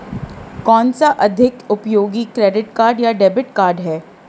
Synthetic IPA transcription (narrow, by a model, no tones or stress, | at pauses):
kɔːnsaʔɐd̪ʱɪkʊpjoːɡikɾeːɖɪʈkaːɾɖjaɖɛːbɪʈkaːɾɖɦɛː